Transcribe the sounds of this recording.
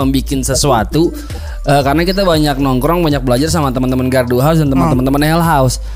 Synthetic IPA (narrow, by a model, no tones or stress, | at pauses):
əmbikɪnsəsuat̪u | əkaɾənakit̪̬abaɲak̚nɔŋkɾɔŋbaɲak̚bəlad͡ʒars̬amat̪əmənt̪əmənɡarduɦaʊs̬dant̪əmənt̪əmənt̪əmənɦɛlɦaʊs